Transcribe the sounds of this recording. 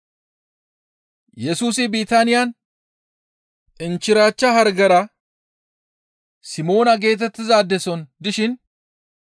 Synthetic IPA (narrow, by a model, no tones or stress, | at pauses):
jɛsuːsɪbiːt̪anɪjɐn | ʔɪnt͡ʃːɪɾaːt͡ʃːɐhɐɾɡɐɾɐ | sɪmo̞ːnɐɡe̞ːt̪̬ɛt̪ːɪzaːd̪ːɛsɔnd̪ɪʃɪn